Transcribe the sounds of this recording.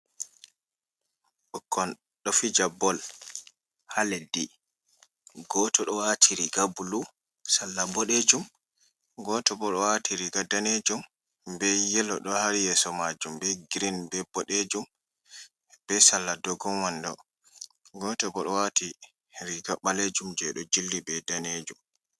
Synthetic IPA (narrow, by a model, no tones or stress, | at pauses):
ɓɔkʰːɔn | ɗɔfid͡ʒabɔl | haledi | ɡɔtɔɗɔwatʰiɾiɡabulu | salːabɔɗed͡ʒum | ɡɔtɔbɔɗɔwatiɾiɡadaned͡ʒum | bɛjɛlɔɗɔhaɾijɛsɔmad͡ʒumbɛɡiɾinbɛbɔɗed͡ʒum | b̥ɛsalːadɔɡɔmwandɔ̰ | ɡɔtɔbɔɗɔwati | ɾiɡaɓaled͡ʒumd͡ʒɛɗɔd͡ʒilːibɛdaned͡ʒum